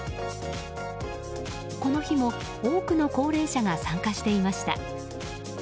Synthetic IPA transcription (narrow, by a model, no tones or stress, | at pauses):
ko̞no̞çimo̞ | oːkɯ̟no̞ko̞ːɾe̞ːɕaɡasãŋkaɕi̥t̪e̞imaɕi̥t̪a̰